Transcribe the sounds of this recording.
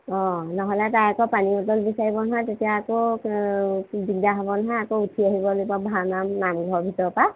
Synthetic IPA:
ɔ̃nɔɦɔlɛtajakɔpaniɔtɔlbisaɹibɔnaɦãtetijaːkɔ | bidaɦɔbɔnaɦãakoutʰiaɦijbɔlobɔbʱanamnamɡʱɔɹbʱitɔɹpa

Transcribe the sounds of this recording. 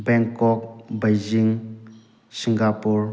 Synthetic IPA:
bɛŋkɔk̚bajd͡ʒiŋ | siŋɡapuɾ

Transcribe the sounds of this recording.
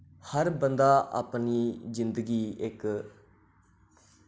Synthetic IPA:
həɾbənd̪aːʔa̰ːpniːzɪnd̪əɡiːɪk

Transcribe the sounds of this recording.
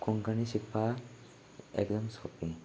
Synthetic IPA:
kʰunkʰanisipʰːa | ɛ̰kzɔmskʰɔpiŋ

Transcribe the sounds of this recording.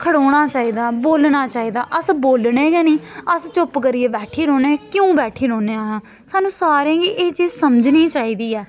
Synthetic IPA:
kʰəɽoːɽ̃aːt͡ʃaːiːd̪aːboːlnaːt͡ʃaːiːd̪aːʔəsboːlneːɡɛːnĩːəst͡ʃʊpkəɾiːeːbɛːʈʰiːɾõːneːkjõːbɛːʈʰiːɾoːneːaːɦãː | saːnũːsaːɾẽːɡiːʔeːt͡ʃiːzsəməd͡ʒniːt͡ʃaːiːd̪iːɛː

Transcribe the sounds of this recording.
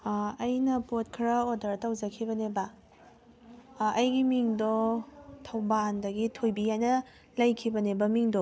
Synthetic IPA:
ɐjnɐpot̚kʰɾɐodɐɾtɐwd͡ʒɐkʰibɐnebɐ | ɐjɡimiŋdɔtʰɐwbandɐɡitʰojbijajnɐ | lɐjkʰibɐnebɐmiŋdɔ

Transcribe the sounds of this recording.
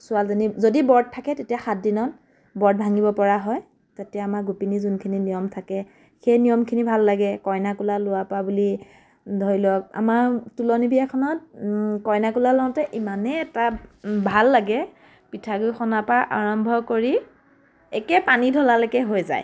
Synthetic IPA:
sʊalzanizodibɔɹd̚tʰːakɛtetijaxat̚dinɔn | bɔɹd̚bʱaŋibɔpɔɹaɦɔj | tatijaamaɹɡupinizunkʰininijɔmtʰakɛ | xejnijɔmkʰinibʱalːaɡɛkɔjnakulalʊwapabuli | dʱɔɹilɔk̚a̰maɹtulɔnibiakʰɔnɔt̚kɔjnakulalɔãtɛʔimanɛːtabʱalːaɡɛ | pitʰaɡujxɔnapaʔa̰ɹɔmbʱɔkoɹi | ɛkɛpanidʱɔlalekɛɦojza̰j

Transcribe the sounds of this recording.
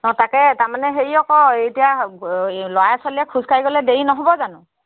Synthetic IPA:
nɔtakɛtaɹmanɛɦeɹiɔkɔejtija | lɔaaswalijɛkʰuzkʰajɡɔlɛdejinɔɦobɔzanʊ̃

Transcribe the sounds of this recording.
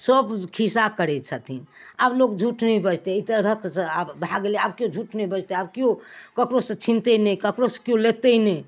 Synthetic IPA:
səbkʰisakəɾɛt͡ʃʰat̪ʰiablokd͡ʒʱuʈnɛibəd͡ʒt̪eit̪əɾək̪sə̃abbʱaɡeleabkiod͡ʒʱuʈnɛibəd͡ʒt̪eabkiokəkɾosə̃t͡ʃʰint̪ɛnəjkəkɾosə̥̃kijõlet̪ɛnɛj

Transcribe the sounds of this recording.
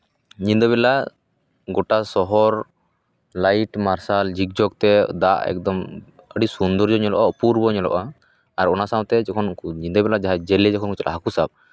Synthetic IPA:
ɲind̪ɔbɛla | ɡɔʈasɔɦɔɾ | lajʈmaɾsald͡ʒik̚d͡ʒɔk̚t̪ɛd̪aʔɛ̰kd̪ɔm | əɖisund̪ɔɾd͡ʒɔɲɔlɔʔapuɾbɔɲɔlɔ̰ʔaː | ɾɔnasaw̃t̪ɛd͡ʒɔkʰɔnɲind̪ɔbɛlad͡ʒaɦad͡ʒɛlɛd͡ʒɔkʰɔnkɔt͡ʃɔlʔa̰ɦakusab̚

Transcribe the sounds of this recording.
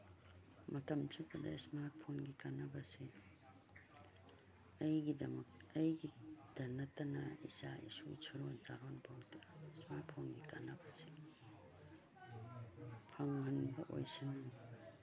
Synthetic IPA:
mɐtɐmtibɐdɐ̰ismaɾt̚pʰonɡikanɐbɐsi | ɐjɡidɐmɐk̚ɐjɡid̥ɐnɐtɐnɐ̰ḭsaḭsṵt͡ʃʰuɾonzaɾonbʰawdɐsmaɾt̚pʰonɡikanɐbɐsi | pʰɐŋːɐnbɐʔo̰jsina

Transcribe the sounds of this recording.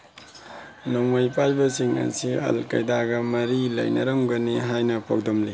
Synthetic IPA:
noŋojpajbɐsiŋɐ̰siɐ̰lkɐ̰jdaɡɐmɐɾilɐ̰jnɐ̰ɾɐŋɡɐniɦajnɐpʰow̚dɔmli

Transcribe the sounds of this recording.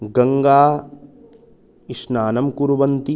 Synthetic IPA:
ɡɐ̃ŋɡaː | ɪʃnaːnɐmkuɾuʋɐnt̪i

